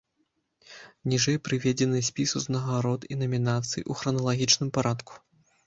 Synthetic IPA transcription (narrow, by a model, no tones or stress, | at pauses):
nʲiʐɨjpɾɨvʲɛd͡zʲɛnɨsʲpʲisuznɐɣaɾɔt̪inɐmʲinat̪sɨj̰ʔuxɾɐnɐlˠaɣʲit͡ʂnɨmpaɾʔat̪ku̥